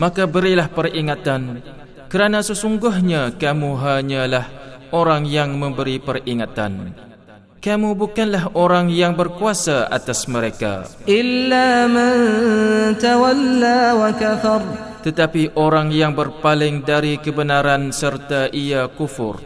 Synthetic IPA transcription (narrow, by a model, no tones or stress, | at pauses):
mãkabəɾilahpəriŋat̪an | kəɾanãsəsuŋɡʊɦɲãkamuɦaɲalahʔoɾaŋjaŋmə̃mbəɾipəriŋat̪a̰n | kamubukanlaɦʔoɾaŋjaŋbərkuasaʔa̰t̪asməɾeka̰ʔɪlːaːman | t̪awalːaːwakaθɑɾˤt̪ət̪apiʔoɾaŋjaŋbərpalɪŋdaɾikəbənãɾansərt̪aʔiakufʊ̰r